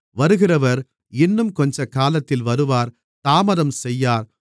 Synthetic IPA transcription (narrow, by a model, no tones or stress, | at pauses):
ʋɐɾɯɣɪrɐʋɐɾ | ɪnːɯmkɔɲd͡ʒɐkaːlɐt̪ːɪlʋɐɾɯʋaːɾ | t̪aːmɐɾɐmsɛjːaːɾ